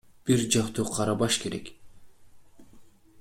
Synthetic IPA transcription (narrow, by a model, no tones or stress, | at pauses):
b̥iɾd͡ʒɑqt̪uqʰɑɾɑbɑʃke̞ɾḛk